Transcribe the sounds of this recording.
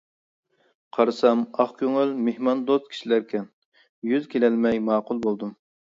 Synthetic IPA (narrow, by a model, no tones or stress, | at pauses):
qʰɑɾɨsɑmɑχkʲʰøŋylmehmɑnd̪ozkʲʰi̥ʃilæɾkʲʰɛn | jyzkʲʰelɛlmɛjmɑːqʊlˠbolˠd̪um